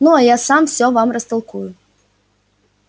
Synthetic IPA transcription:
nuɐjasamfsʲɔvamrɐst̪alˠkujʊ

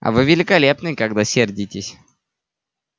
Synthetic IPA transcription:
ɐ̰vɨvʲɪlʲɪkɐlʲepnɨjkɐɡd̪asʲerdʲɪtʲɪsʲ

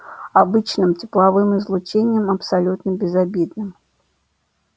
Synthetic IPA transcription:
abɨt͡ʃnɨmt͡sʲɪ̥plˠavɨmɨzlˠut͡ʃenʲːɐmɐpsalʲut̪nɐbʲɪzabʲid̪nɨm

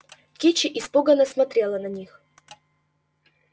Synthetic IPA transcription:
kʲet͡ɕɪʔɪspoɡənəsmɐt̪ɾʲelˠənɐnʲix

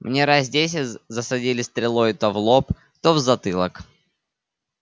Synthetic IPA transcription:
mnʲeɾazʲdʲes̬ʲɪzəsɐdʲilʲɪst̪ɾʲɪlˠo̞jɪt̪ɐvlˠop | t̪ovzɐt̪ɨlˠə̰k

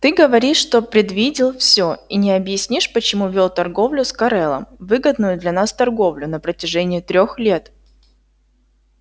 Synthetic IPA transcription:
t̪ɨɡəvɐɾʲiʂːt̪o̞pɾʲɪd̪vʲidʲɪlˠfsʲoinʲɪɐbjɪsʲnʲiʂpət͡ɕɪmuvʲolˠt̪ɐrɡo̞vlʲʊskɐɾɛlˠə̰mvɨɡəd̪nʊjʊd̪lʲɐnast̪ɐrɡo̞vlʲʊnəpɾətʲɪʐɛnʲɪːt̪ɾʲoxlʲe̞t̪

